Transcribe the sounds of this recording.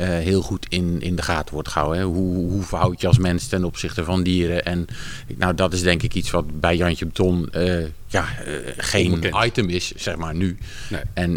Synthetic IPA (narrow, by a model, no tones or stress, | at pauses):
əɦɪːlˠχutʰɪnɪ̰ndəχaːtəʋɔɹtχəa̰wɛɦuɦuvawjəɑlˠs̬mɛnstɛnɔpsɪχtəvɑndiːɾəʔɛn | na̰wdɔtɪzdɛŋkɪkitsʋɑtbɛjjɑntəbətʰɔnə | jaχejnajtəmɪsːɛxmaːɹny | ɛn